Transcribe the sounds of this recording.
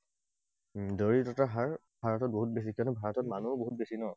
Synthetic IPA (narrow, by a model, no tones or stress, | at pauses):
doɹitɔtaɦaɹ | b̥ʱaɹɔtɔt̚boɦut̚bes̬ikiɔnubʱaɹɔtɔt̚manuboɦut̚besinɔ